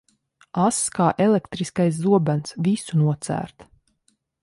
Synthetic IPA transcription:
askaːʔelekt̪ɾiskajs̬zuɔbænsvisunuɔt̪sæ̰ːɾt̪

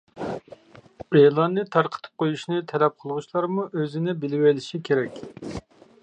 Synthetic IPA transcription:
elˠɑnːɨt̪ʰɑɾqʰə̥t̪ʰɨ̥p̚qʰojuʃnɨt̪ʰɛlɛp̚qʰəlˠʁʊʃlˠɑɾmuʔøzɪnɪbɪlɪwelɪʃikʲʰeɾɛkʲ

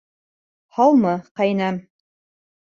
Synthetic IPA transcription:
hɑlˠmɤqɑjnɑm

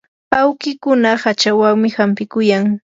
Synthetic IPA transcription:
awkɪkʊnahat͡ʃawaŋmɪhampɪkʊjaŋ

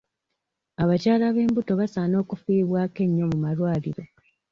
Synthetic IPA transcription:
aβacaːlaβe̞ːmbuto̞βasaːno̞ːkufiːβwaːke̞ɲːo̞mumalwaːliɾo̞

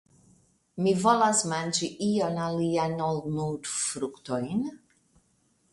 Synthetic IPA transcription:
mivolasmand͡ʒiʔionalianolmuwt̪fɾukt̪ojn

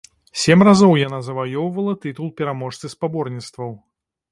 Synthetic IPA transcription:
sʲemʲrazɔwjanazɐvajɔwvɐlˠɐt̪ɨt̪ulˠpʲɛɾamɔʂt̪sɨspabɔrnʲit̪st̪vɐw

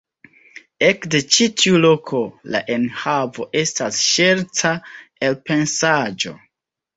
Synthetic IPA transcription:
e̞kde̞t͡ʃitʰiulo̞kʰo̞la̰ʔe̞nhavo̞ʔe̞stasʃe̞ɾtʰae̞lpe̞nsad͡ʒo̞̰

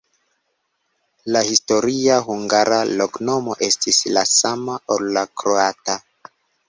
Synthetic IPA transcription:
lahisto̞ɾiaɦuŋɡaɾalokno̞mo̞ʔe̞stislasamaʔolːakɾoata

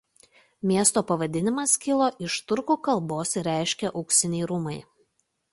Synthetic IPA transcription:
mʲiɛst̪oːpɐʋɐd̪ʲɪnʲɪmɐskʲɪlˠoːʔɪʃt̪ʊɾkuːkɐlˠboːsɾʲæˑɪʃʲkʲɛʔɐʊksʲɪnʲɛɪɾʊːmɐɪ

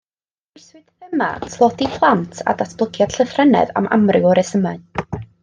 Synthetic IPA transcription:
ɪswɨd̥əma̰tʰlˠɔdipʰlˠantʰa̰datʰb̥lˠəkʰjad̥ɬəθrɛnɛ̰ða̰mʔa̰mrɨwɔɾɛsəman

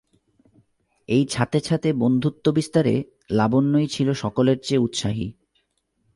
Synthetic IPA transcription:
ejt͡ɕʰat̪et͡ɕʰat̪ebond̪ʱut̪ːobist̪aɾḛ | labonːojt͡ɕʰiloʃɔkoleɾt͡ɕeut̪ʃaɦḭ

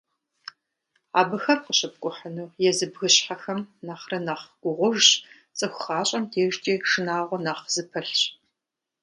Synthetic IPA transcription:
a̰ːbɨxɐmqəɕʼɐp̚kʷʼʊħənuːjɛzɨbɣɨɕħaxɐmnaːχrɐnaːχɡ̥ʷʊʁʷʊʒɕ | t͡sʼɨxʷxaːɕʼɐmtʰeːʒt͡ʃʼiːʂɨnaːʁʷɔnaːχz̥ɨpʰɐɬɕ

